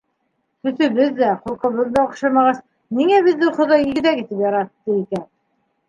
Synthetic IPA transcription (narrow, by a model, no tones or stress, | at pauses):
t̪ɵ̆sɵ̆βɘðːæχulˠqɤ̆βɤðːɑŏqʃɑmɑʁɑs | niŋæβiðːɘwχŏðɑjiɡɘ̆ðækit̪ɘpjɑɾɑt̪ːɤikæn